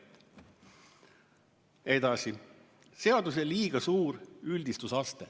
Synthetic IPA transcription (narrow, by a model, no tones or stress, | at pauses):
e̞d̪̥ɑsi | se̞ɑd̪us̬eliːɡ̥ɑsuːɾylʲd̪ist̪usɑst̪e